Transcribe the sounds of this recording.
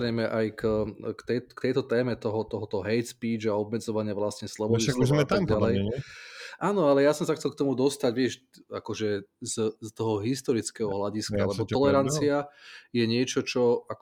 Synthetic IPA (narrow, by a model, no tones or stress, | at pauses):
ɾɛjmɛʔajkːkt̪ɛjkt̪ɛjt̪ɔt̪ɛːmɛt̪ɔɦɔt̪ɔɦɔt̪ɔɦɛjt̪spiːd͡ʒaɔbmɛd͡zɔʋaɲɪaʋlasɲɛslɔbɔiakzmɛt̪amɡdalɛj | ʔaːnɔalɛjasɔmsaxt͡sɛlk̚t̪ɔmud̪ɔst̪aɟʋɪɛʃ | akɔʒɛzst̪ɔɦɔɦist̪ɔɾit͡skɛɦɔɦlaɟiskaalɛbɔt̪ɔlɛɾant͡siajɛɲɪɛt͡ʃɔt͡ʃɔak